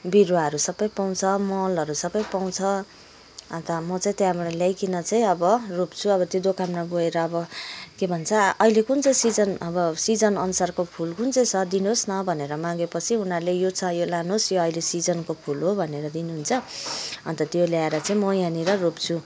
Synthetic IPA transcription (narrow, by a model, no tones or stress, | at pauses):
biɾwaɦʌɾusʌbʌjpaw̃t͡sʰʌmʌlʌɾusʌbʌjpaw̃t͡sʰʌ | ʌnt̪ʌmʌt͡saĩt̪jãbʌɽaljajkinʌt͡saĩʌbʌrop̚t͡sʰuʌbʌt̪jod̪okamnʌɡoeɾʌːbʌkebʱʌnt͡sʰʌːɦilekunt͡sʌ̃sid͡zʌnʌbʌsid͡zʌnʌnusarkopʰulkunt͡sʌj̃sʰʌd̪inosnʌbʱʌneɾʌmãɡepʌt͡sʰiunalejot͡sʰʌjolanosjoʌilesid͡zʌnkopʰulɦobʱʌneɾʌd̪inuɦunt͡sʰʌʌ̰nt̪ʌt̪joljaeɾʌt͡saĩmʌjaniɾʌropt͡sʰu